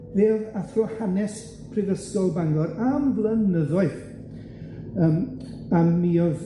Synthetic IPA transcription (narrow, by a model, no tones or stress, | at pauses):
veːðaθrɔhanɛs | pʰrɪɡəstɔlˠbaŋɡlˠɔɾamvlˠənəðɔɨð | əm | amːiɔð